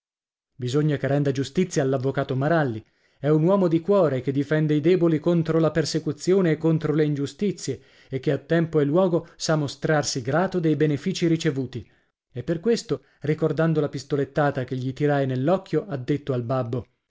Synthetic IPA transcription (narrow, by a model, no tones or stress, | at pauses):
bizoɲːakerːɛnd̪ad͡ʒust̪it̪sːjaːlːavːokaːt̪omaɾalːi | ɛunwɔːmod̪ikwɔːɾek̟ed̪ifɛnd̪eid̪ɛːbolikont̪ɾolapersekut̪sːjoːneːkːont̪ɾoleind͡ʒust̪it̪sːje | ek̟ːeat̪ːɛmpoelːwɔːɡosamost̪ɾarsiɡɾaːt̪od̪ejbenefiːt͡ʃiɾit͡ʃevuːt̪i | epːerkwest̪o | rikord̪and̪olapist̪olet̪ːaːt̪ak̟eʎːit̪iɾajnelːɔkʰːjoʔad̪ːet̪ːoalbabːo